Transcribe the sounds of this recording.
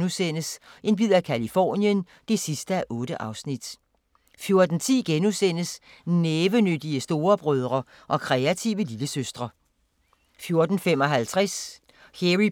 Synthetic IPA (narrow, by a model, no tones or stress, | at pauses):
nusen̰əsʔe̝nb̥ið̰ˠækʰælifɒ̰ːnjən | d̥e̝sisd̥əæʔɔ̽ːɾ̥əʔɑ̈ʊsnid̥ | fjo̝ɐd̥n̩t͡sʰḭːɡ̥enusen̰əs | neːʋənød̥iəsd̥o̝ːɐb̥ʁœð̞ˠʁɐ | ʔɒ̽kʰʁɛæt͡sʰiʊəliləsøsd̥ʁɐ | fjo̝ɐd̥n̩fem̰ɒ̽ɦælt͡sʰʁas | heʁi